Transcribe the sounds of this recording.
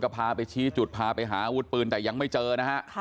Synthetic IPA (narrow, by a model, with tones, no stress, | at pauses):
ka˧˩pʰaː˧pa˧jt͡ɕʰiː˦˥t͡ɕu˨˩t̪̚pʰaː˧pa˧jɦaː˩˦ʔa˧wu˦˥t̪̚pɯː˧nt̪ɛː˨˩ja˧ŋma˥˩jt͡ɕɤː˧na˦˥ha˦˥ʔ